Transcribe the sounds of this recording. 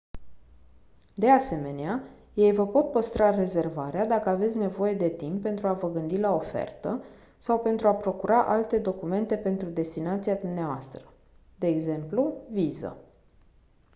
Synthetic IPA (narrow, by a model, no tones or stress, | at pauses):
d̪e̞ase̞me̞nea | je̞jvəpo̞t̪̚pəst̪ɾare̞ze̞rvaɾead̪akəave̞t̪sʲne̞vo̞je̞d̪e̞t̪impːe̞nt̪ɾuavəɡɨnd̪ilao̞fe̞̰rt̪ə | sawpe̞nt̪ɾuapɾo̞kuɾaʔalt̪e̞d̪o̞kume̞nt̪e̞pe̞nt̪ɾud̪e̞st̪inat̪siad̪umneavoast̪ɾə | d̪e̞ːɡze̞mpluvizə̰